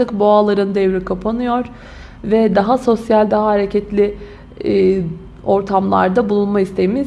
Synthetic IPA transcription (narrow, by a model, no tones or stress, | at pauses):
t̪ɯkboalˠaɾɯnd̪ɛvɾikʰapʰanɯjo̞ɾ | vɛd̪aɦaso̞sjalʲd̪aɦaɦaɾecʰɛt̪lʲɪ | o̞ɾt̪ʰamlˠa̰ɾd̪abulˠunmaist̪ʰe̞jimiz